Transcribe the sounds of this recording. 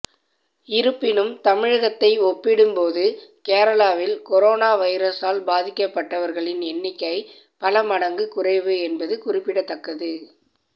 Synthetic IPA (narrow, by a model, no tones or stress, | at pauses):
ɪɾɯpːɪnɯmt̪ɐmɪɻɐɣɐt̪ːɐɪɔpːɪɽɯmpoːðɯkeːɾɐlaːʋɪlkɔɾoːnaːʋɐɪɾɐsaːlbaːðɪkːɐpːɐʈːɐʋɐɾɣɐɭɪnɛnːɪkːɐɪ | pɐlɐmɐɽɐŋɡɯkʊrɐɪʋɯɛnbɐðɯkʊrɪpːɪɽɐt̪ːɐkːɐðɯ